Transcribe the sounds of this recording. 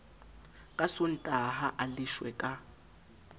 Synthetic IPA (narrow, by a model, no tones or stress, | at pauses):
kʼasolitʼaɦaʔaliʃwɛkʼa